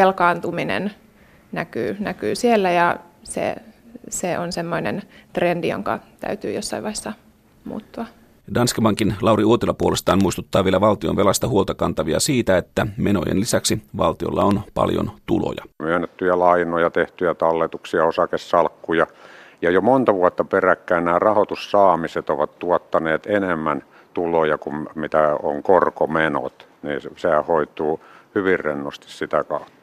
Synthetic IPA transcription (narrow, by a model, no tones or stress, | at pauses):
elkɑːnt̪uminḛn | næky̰ːnækyːsielːæjɑsḛseʔonsemːoinḛnt̪rendijo̰ŋkɑ̰t̪æ̰yt̪yːjosːɑ̰iʋɑhesːɑ | mṵːt̪ːuɑ | dɑnskibɑŋkinlɑwriuot̪ilɑpuolest̪ɑːmmuist̪ut̪ːɑːʋielæʋɑlt̪ionʋelɑst̪ɑhuolt̪ɑkɑnt̪ɑʋiɑ̰siːt̪æet̪ːæmeno̰jḛnlisæksiʋɑ̰lt̪io̞̰lːɑ̰onpɑ̰ljo̰nt̪ulo̰jɑmyønːet̪ːyjælɑinojɑt̪eht̪yjæt̪ɑlːet̪uksiɑosɑkessɑlkːujɑjɑjomont̪ɑʋuɑt̪ːɑperækːæːnnæːrɑhot̪ussɑːmiset̪oʋɑt̪t̪uɔt̪ːɑneːt̪enemːæn | t̪ulojɑkummit̪æo̰ŋkorkomeno̰t̪niːssehæhoit̪uːhyʋirrenːost̪i̥ssit̪ækɑut̪ːɑ̥